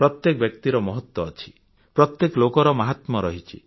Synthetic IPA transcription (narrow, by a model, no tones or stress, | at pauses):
pɾɔt̪jekɔbjɔk̚t̪iɾɔmɔɦɔt̪wɔːt͡ʃʰi̥ | pɾɔt̪jeklokɔɾɔmaɦat̪mɔɾɔɦit͡ʃʰḭ